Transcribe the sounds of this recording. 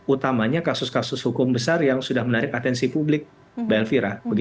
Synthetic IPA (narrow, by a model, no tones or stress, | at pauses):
ut̪amaɲakasʊskasʊshukʊmbəsarjaŋsudahmənaɾɪkat̪ɛnsipublɪk̚ | bɛlfiɾabəɡi